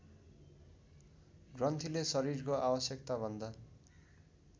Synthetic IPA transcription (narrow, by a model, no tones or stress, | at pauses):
ɡrʌnt̪ʰilesʌɾirkoʔabʌsjʌkt̪abʱʌnd̪a